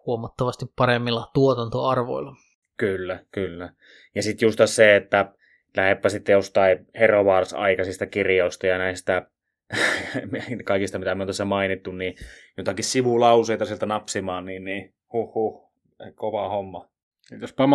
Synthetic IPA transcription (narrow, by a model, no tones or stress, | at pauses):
huomɑt̪ːɑʋɑst̪ippɑremːilːɑt̪uot̪ɑnt̪oɑrʋo̰ilːɑ | kylːækylːæ | jɑsit̪just̪ɑsseet̪ːæ | læhepːæsit̪ːejost̪ɑˑiheroʋɑːrsɑ̰ikɑsist̪ɑkirjoˑist̪ɑjɑnæˑist̪æ | mkɑikist̪ɑmit̪æmiont̪æsːæmɑinit̪ːunnijot̪ɑkissiʋulɑuseˑit̪ɑsielt̪ænɑpsimɑːnniːnniː | huhːuh | koʋɑhomːɑ | sit̪jospɑm